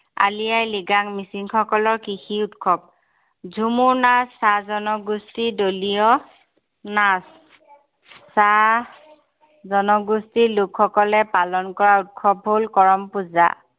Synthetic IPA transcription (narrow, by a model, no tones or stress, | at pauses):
a̰lijajliɡaŋmisiŋxɔkɔlɔɹkixiutkʰɔb̚ | zʱumuɹnasːazɔnɔɡustidolijɔ | nas | a | zɔnɔɡustilukxɔkɔlɛpalɔnkɔɹaut̚kʰɔb̚ɦolkɔɹɔmpuza̰